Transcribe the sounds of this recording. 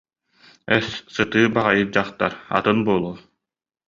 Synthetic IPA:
œsːɯt̪ɯːbaʁajɯt̚d͡ʑaχt̪a̰ɾa̰t̪ɯnbuɔlˠuː

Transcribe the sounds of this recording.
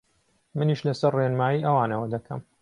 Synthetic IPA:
mɨniʃlɐsɐrːeːnmaːiːʔɐwaːnɐwɐd̪ɐkʰɐ̰m

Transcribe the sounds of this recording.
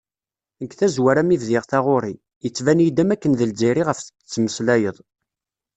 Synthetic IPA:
nəkθæzwæɾæmivðɪʁθaʁʊɾi | jət͡sːvænjid̪æmækːənðəld͡ʒiɾiʁəfθə̥t͡sːməslæjəðˤ

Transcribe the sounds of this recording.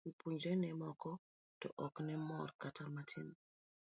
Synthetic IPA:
wipuɲd͡ʒɛnɛmɔkɔ | tɔʔɔknɛmɔɾkatʰaɾmatʰin

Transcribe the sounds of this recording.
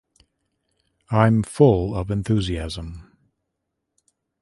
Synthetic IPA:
ãɪ̃ɱfʊlˠʌvɨ̃nθʉːziæzə̃m

